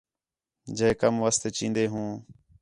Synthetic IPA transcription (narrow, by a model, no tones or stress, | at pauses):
d͡ʒeekəmʋəst̪eːt͡ʃĩːnd̪eːɦũː